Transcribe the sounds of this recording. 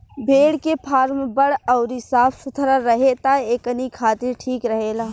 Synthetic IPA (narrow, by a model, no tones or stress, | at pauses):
bʱeːɽkepʰaːɾmbəɽɔʊɾisaːpʰʊt̪ʰəɾaɾəɦet̪aeːkənikʰaːt̪ɪɾʈʰiːkɾəɦeːlaː